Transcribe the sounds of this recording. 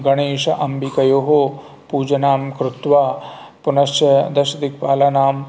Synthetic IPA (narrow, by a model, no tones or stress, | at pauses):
ɡɐɳeːʂɐ̰ʔɐmbikɐjoːɦoː | puːd͡ʒɐnaːmkɾut̪ʋaː | punɐʃjɐd̪ɐʃɐd̪ikpaːlɐnaːm